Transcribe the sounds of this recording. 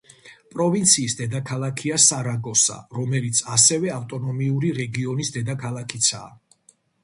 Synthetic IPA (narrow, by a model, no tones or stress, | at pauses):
pʼɾɔvint̪sʰiːsd̪ɛd̪akʰalˠakʰiasaɾaɡɔsa̰ɾɔmɛlit̪sʰasɛvɛaft̪ʼɔnɔmiuɾiɾɛɡiɔnisd̪ɛd̪akʰalˠakʰit̪sʰa̰ː